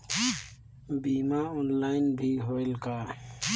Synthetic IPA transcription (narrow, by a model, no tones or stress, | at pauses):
biːmaːɔːnlaːɪnbʱiɦoːɪlkaː